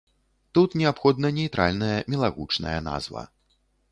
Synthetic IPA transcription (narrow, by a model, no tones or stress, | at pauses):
t̪ut̪nʲɛapxɔd̪nɐnʲɛjt̪ɾa̰lʲnɐjɐmʲɛlˠaɣut͡ʂnɐ̰jɐna̰zvɐ̰